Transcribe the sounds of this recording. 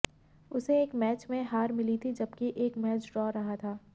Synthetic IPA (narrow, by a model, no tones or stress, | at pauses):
ʊseeːkmɛːt͡ʃmẽɦaːɾmɪlit̪ʰid͡ʒɐbkiʔeːkmɛːt͡ʃɖɾɔːɾɐɦat̪ʰaː